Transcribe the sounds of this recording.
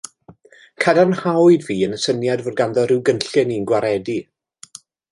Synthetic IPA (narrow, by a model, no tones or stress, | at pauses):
kʰadanhawɨdviːənəsənjadvʊːdɡandɔrɪwɡənɬɨninɡwaɾɛdi